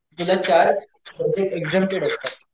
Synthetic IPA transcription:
t̪ulat͡ɕaɾ | əd̪ʱeeɡd͡zẽmʈeɽəst̪at̪

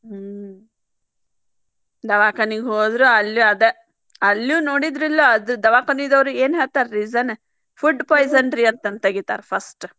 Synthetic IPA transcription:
d̪ɐʋaːkɐniɡɦoːd̪ɾuɐljuɐd̪e | ɐlːjunoːɽid̪ɾilːoɐd̪ud̪ɐʋaːkɐnid̪ɐʋɾueːnɦeːɭt̪aːɾɾizɐne | fʰuɖpoːjzɐɳɖɾiɐnt̪ɐnt̪ɐɡit̪a̰ːɾpʰɐsʈ

